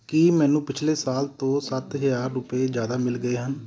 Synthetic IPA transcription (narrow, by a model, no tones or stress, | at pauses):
kimɛ̃ːnũːpɪt͡ʃʰleːsaːlt̪õːsət̪ɦəzaːɾːʊpeːd͡ʒjaːd̪aːmɪlɡəeːɦən